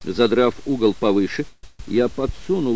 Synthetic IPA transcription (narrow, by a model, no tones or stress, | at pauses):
zɐd̪ɾafuɡəlˠpɐvɨʂɨjapɐt̪sunʊ